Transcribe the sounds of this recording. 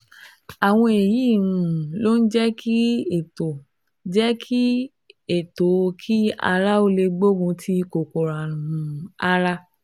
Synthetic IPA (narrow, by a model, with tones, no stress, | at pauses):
a˨w̃ɔ̃˧e˨ji˨˦˨ɾũ˧˨˦lo˦n̩˦d͡ʒɛ˦kʰi˦e˨to˨ | d͡ʒɛ˦kʰi˦ | e˨to˨˦˧kʰi˦a̰˧ɾa˦o˧le˧ɡ͡bo˦ɡũ˧tʰi˦ko˨ko˨ɾa˨ũ˨a˦ɾa˦